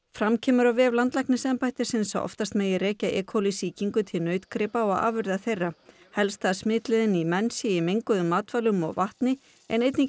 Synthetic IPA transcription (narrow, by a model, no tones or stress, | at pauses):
fɾamcʰɛːmʏɾawvɛːvlant̪lahknɪsɛmpajt̪ɪ̥sɪnsa̰wʔɔ̰ft̪ast̪meːjɪrɛːcaʔɛ̰ːkʰhowlɪsiːciŋkʏt̪ʰɪlnœːɥt̪kɾɪpaɔɣa̰ːvʏɾðaθejrːa | hɛlst̪θaðsmɪːt̪lɪðɪnimɛnsɪimejŋkʏðʏmːaːt̪valʏmɔ̰ɣvaht̪nɪ | ɛ̰nejt̪ni